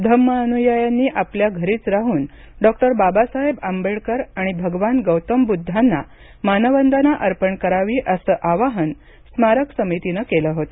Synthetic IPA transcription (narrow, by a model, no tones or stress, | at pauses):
d̪ʱəmːəənujəjanːiːʔapljaɡʱəɾiːt͡sɾaɦuːn | ɖɔk̚ʈəɾbabasaɦebambeɭkəɾaɽ̃ibʱəɡʋanɡəwt̪əmbud̪ʱːanːa̰ | manəʋənd̪ʱanaʔəɾpəɳkəɾaʋiːʔəsəːʔaʋaɦən | smaɾəksəmit̪inəkeləɦot̪ə